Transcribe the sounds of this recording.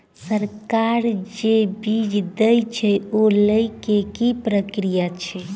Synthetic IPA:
səɾkaɾd͡ʒebid͡ʒd̪əjt͡ʃʰɛoləjkekipɾəkɾijat͡ʃʰɛ

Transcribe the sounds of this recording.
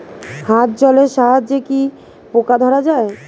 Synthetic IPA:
hat̪̚d͡ʑɔleʃaɦad͡ʑeki | pokad̪ʱɔɾad͡ʑae

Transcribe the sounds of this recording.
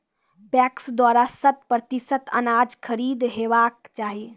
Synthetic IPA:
bɛːksd̪waːɾasət̪̚pɾət̪isət̪ə̰naːd͡ʒkʰəɾiːd̪ɦeʋaːkt͡ʃaːɦi

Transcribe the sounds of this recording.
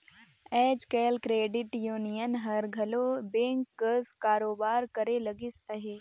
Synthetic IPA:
ɛːd͡ʒkɛːlkɾeːɖɪʈjuːnijənɦɐɾɡʱɐlobẽːŋkːəskaːɾoːbaːɾkəɾelɐɡɪsɐɦeː

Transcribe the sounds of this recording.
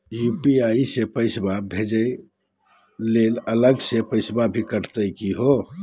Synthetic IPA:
jupiaisepəɪsbabʱed͡ʒəj | lelələɡsepəɪsbabʱikəʈʰt̪əjkiɦo

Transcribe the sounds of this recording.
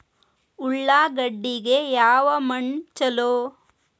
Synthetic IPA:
uɭːaːɡɐɖːiɡejaːʋɐmɐɳt͡ʃɐloː

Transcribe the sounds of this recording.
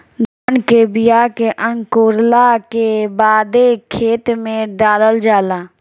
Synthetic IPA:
ɡ̪ʱənkebɪjakeʔə̃ŋkoːɾlakebaːd̪ekʰeːt̪mẽɖaːləld͡ʒaːlaː

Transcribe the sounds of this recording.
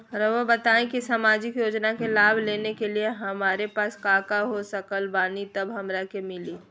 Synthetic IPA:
ɾəʋəbɐt̪aːẽkisaːmaːd͡ʒɪkjoːd͡ʒnakelaːbʱleːnekelieɦɐmaːɾepaːskaːkaɦosəkəlbaːnit̪ɐbɦɐmɾakemɪliː

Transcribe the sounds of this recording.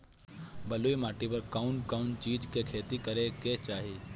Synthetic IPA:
bɐluːimaːʈipɐɾkaʊnkaʊnt͡ʃiːd͡ʒkekʰeːt̪ikɐɾeket͡ʃaːɦi

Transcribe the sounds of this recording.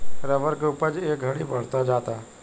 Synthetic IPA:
ɾəʋəɾkeuːpəɾd͡ʒeːk̚ɡʱɐɽibɐɽ̤t̪ad͡ʒaːt̪a

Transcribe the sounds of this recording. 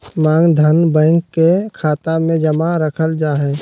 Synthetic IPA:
mãːŋd̪ʱənbɛ̃ːŋkːekʰaːt̪amẽd͡ʒəmaɾəkʰəld͡ʒaːɦɛː

